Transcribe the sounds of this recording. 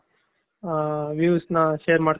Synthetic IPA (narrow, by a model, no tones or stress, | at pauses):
ʋjuːsnɐʃeːɾmaːɽ